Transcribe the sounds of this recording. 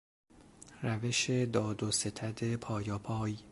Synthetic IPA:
ræve̞ʃed̪ɒːd̪ose̞t̪ʰæd̪e̞pʰɒːjɒːpʰɒːj

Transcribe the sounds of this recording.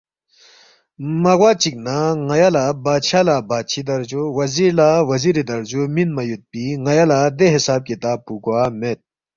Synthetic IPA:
mɐɣwaːt͡ɕik̚naŋɐjalabaːt͡ɕʰalabaːt͡ɕʰid̪ɐɾd͡ʑowɐziɾlawɐziɾed̪ɐɾd͡ʑominmɐjut̪̚piŋɐjalad̪eɦisaːb̚kit̪aːpːuɡwaːmet̪̚

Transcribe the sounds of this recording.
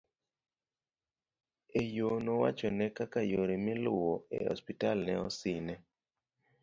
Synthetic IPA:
ejonowa̰t͡ʃɔnɛkakajoɾimilʊwɔḛhɔ̰spitalnɛɔsɪnɛ

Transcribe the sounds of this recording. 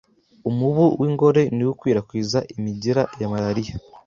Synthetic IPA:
umuβuwʔiːŋɡo̞ɾe̞niwukwiːɾakwiːzaʔimiɟiɾajamaɾaɾija

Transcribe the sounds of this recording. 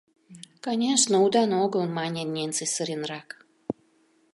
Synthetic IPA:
kanʲeʂnəud̪anoɡəlˠmɑnʲenʲensɨsəɾʲenrɑk

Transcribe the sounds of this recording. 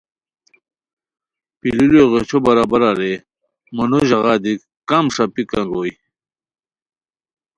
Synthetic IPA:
pilileɣet͡ɕʰobɐɾaːbɐɾaɾe | mɐnoʑɐɣad̪ik | kamʂapikɐnɾoj

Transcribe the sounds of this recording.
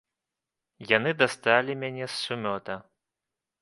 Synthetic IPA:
janɨd̪ast̪alʲimʲanʲɛsːumʲɔt̪ɐ

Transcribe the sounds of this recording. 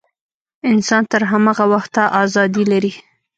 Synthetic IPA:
ɪnsɑnt̪əɾɦamɑɣawaxt̪aʔɑzɑd̪ilaɾi

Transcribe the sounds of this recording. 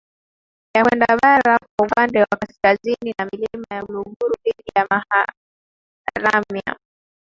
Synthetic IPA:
jakwɛndaɓaɾakwaupandɛwakaskazininamilimajauluɡuɾuɗiɗijamaha | ɾamja̰

